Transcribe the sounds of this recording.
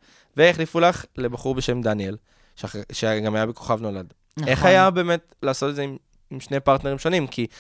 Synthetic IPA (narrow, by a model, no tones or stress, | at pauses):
veeχlifulaχle̞baχuʁbeʃe̞md̪aniel | ʃʃeɡamajabeko̞̥χavno̞lad | e̞χajabe̞ːmet | laːso̞tedzeim | imʃnepaʁt̪neʁimʃo̞nimkʰi